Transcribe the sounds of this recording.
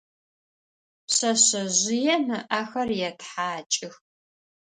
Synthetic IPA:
pɕɐɕɐʑɪjɛnɨʔaxɐrjɛtħaːt͡ʃʼɪx

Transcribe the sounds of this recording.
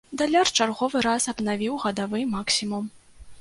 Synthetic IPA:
d̪alʲart͡ʂarɣɔvɨɾasɐbnavʲiwɣɐd̪avɨmaksʲimum

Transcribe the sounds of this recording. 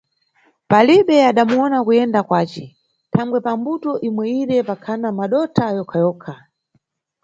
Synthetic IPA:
paliɓɛaɗamuɔnakujɛndakwaːt͡ʃɛ | tʰaŋɡwɛpambutɔʔimwɛiɾɛpakʰanamaɗɔtʰajɔkʰajɔːkʰa

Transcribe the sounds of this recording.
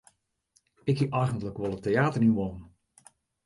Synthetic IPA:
ɪkiʔajɣəntləkʋɔlˠətejaːtərnyʋɔn

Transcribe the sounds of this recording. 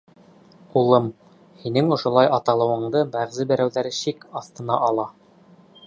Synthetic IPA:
qulˠɤm | hinɘŋŏʃŏlˠɑjɑt̪ɑlˠɤ̆wɤ̆ɴd̪ɤbæʁzɘbæ̆ɾæwðæɾɘʃikɑθt̪ɤ̆nɑʔɑlˠɑ

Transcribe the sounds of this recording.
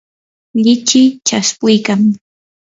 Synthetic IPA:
ʎɪt͡ʃɪt͡ʃaspʊjkaŋ

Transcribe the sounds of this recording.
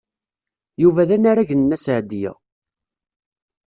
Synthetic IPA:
juvæðænaɾæʝənəːæsʕd̪ijæ̰

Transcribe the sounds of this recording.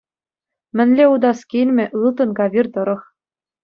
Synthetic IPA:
mʲɘ̆nʲlʲeud̪ɑskʲinʲmʲɘ̆ʔɯlˠt̪ɤ̆nɡɑβʲirt̪ɤ̆ɾɤ̆χ

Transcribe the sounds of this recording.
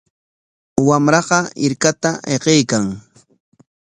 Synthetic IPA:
wamɾɑqɑɪɾkat̪aeqejkaŋ

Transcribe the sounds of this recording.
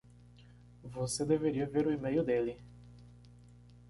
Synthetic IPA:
vosed̪eveɾiɐveɾʊimejʊd̪eli

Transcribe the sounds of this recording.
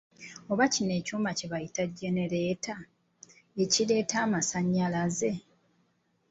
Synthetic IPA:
o̞βacine̞ːcuːmaceβajitaɟːe̞ne̞ɾe̞ːta | eciɾe̞ːtaːmasaɲːalaze̞

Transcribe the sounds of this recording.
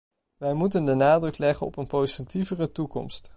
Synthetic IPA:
ʋɛjmutəndənaːdrɵklɛχənɔ̰pənpowzitivərətukɔ̰mst

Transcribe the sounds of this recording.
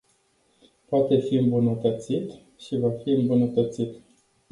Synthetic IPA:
poat̪e̞fiɨmbunət̪ət̪sit̪ | ʃivafiɨmbunət̪ət̪sit̪

